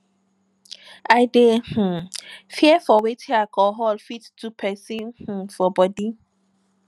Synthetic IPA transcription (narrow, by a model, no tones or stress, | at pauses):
aɪdeh̩fiɛfɔwetʰiakʰɔɦɔlfittupʰɛsĩnh̩fɔbɔdi